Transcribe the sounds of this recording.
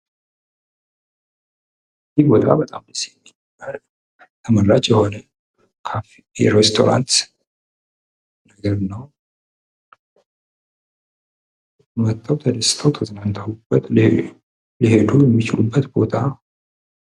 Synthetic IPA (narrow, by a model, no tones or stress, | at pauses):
zibo̞t̪ʰa̰bət̪ʼamɨsiɛmːi | al | t̪ʰəməlːat͡ʃjɛho̞nə | kʰaf | ɛɾɛst̪ʰo̞̰ɾa̰nt̪ | nəɡəɾnəw | mət̪ʼːəwt̪ʰəd̪əsːt̪ʰəwt̪ʰəznant̪ʰawub̥ːət̪ | lihed̪ujɛmːit͡ʃɪlubːət̪bo̞t̪ʰa